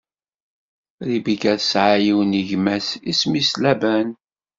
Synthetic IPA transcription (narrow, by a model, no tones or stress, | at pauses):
ɾibikæðsʕajiwniʝmæsismislæbæn